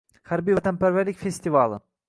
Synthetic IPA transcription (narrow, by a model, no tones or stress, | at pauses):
hæɾbijvæt̪æmpæɾvæɾlikʲfest̪ivɑlˠɨ̰